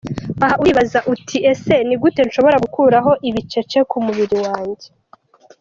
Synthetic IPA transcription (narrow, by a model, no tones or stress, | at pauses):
aɦaʔuiβazaʔutʰiʔe̞se̞niɡute̞nʃo̞βo̞ɾaɡukʰuːɾaɦo̞ʔiβit͡ʃe̞t͡ʃe̞kumuβiɾiwaːɲɟe̞